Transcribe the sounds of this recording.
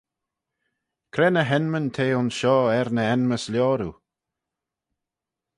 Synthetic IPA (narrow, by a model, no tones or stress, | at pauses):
kʰɾɛːnəɦɛnmənt̪ʰeːʊnsʃɔːɛɾnəɛnməsljɔːɾu